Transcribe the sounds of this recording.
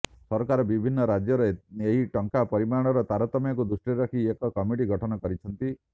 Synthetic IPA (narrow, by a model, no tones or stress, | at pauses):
sɔɾɔkaɾɔbibʱinːɔɾad͡ʒjɔɾeeɦiʈɔŋkapɔɾimaɽ̃ɔɾɔt̪aɾɔt̪ɔmjɔkud̪usʈɾiɾɔkʰiekɔkɔmiʈiɡʱɔʈʰɔnɔkɔɾit͡ʃʰɔnt̪i